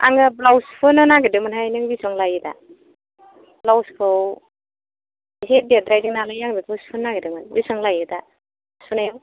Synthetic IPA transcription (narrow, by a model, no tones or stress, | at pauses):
a̰ŋɯblawspʰɯnɯnaɡedɯmɯnɦajnɯŋbisɔŋlajɯda̰ | blawskʰɯw | ɦet̚biat̚dɾajdiŋnalajaŋdiblawspʰɯnːaɡedimɯnbisɔŋlajɯda | spʰunajaw